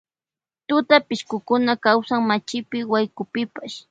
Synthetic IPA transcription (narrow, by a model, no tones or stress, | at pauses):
t̪ʊt̪apɪʃkʊkʊnakawsaŋmat͡ʃɪpɪwajkʊpɪpaʃ